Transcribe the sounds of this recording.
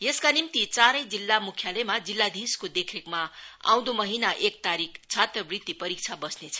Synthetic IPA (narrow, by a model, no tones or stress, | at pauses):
jeskanimt̪it͡saɾʌjd͡zilːamukʰjalemad͡zilːad̪ʱiskod̪ekʰekmaa̰w̃d̪omʌɦinaʔek̚t̪aɾikʰt͡sʰat̪rʌbrit̪ːipʌɾik̚t͡sʰabʌsnet͡sʰʌ̥